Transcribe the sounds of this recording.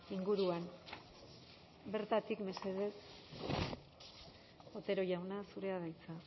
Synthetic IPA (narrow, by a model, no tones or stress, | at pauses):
iŋɡuɾuan | be̞ɾt̪at̪ikme̞se̞ðe̞s | o̞t̪e̞ɾo̞jawnasuɾe̞aðajt͡sa